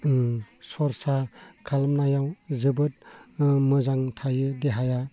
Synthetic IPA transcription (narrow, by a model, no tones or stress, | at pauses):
sɔɾsakʰalmnajawzɯbɯt̚mɯzaŋtʰajɯdeɦaja